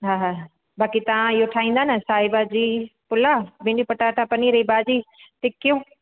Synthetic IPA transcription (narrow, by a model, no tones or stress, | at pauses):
ɦaːɦa | baːkit̪ɐʋ̤ãɪɦoʈʰaːĩːn̆d̪aːnɐsaːɦɪbad͡ʑiːpʊlabɪ̃ɳɖipɐʈaʈʰapɐniɾɐɦibaːd͡ʑiːt̪ɪkːijõ